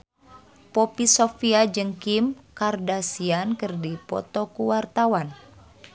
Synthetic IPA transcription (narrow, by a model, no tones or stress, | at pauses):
popisofiad͡ʒɨŋkimkardasiankɨrdipɔ̰t̪ɔkuwart̪awan